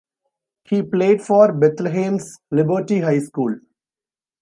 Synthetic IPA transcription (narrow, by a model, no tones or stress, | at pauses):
hiːpleːɖfɔːɾbet̪leɦẽːmslɪbəɾʈiɦaɪskuːl